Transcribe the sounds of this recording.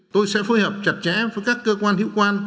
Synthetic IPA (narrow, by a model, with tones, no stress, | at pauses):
t̪o˧jsɛ̰˧˥fuː˧jhəː˨˩p̚t͡ɕa˨˩t̚t͡ɕɛ̰˧˥vəː˨˦jkaː˦˥kːəː˧kwaː˧nhḭ˧˥wkwaː˧n